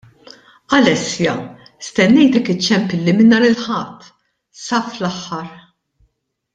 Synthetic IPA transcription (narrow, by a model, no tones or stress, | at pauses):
ɐlɛsjɐ | st̪ɛnːɛjt̪ɛkɪt͡ʃːɛmpɪlːimɪnːɐɾɪlħɐt̪ː | sɐːflɐħːɐɾ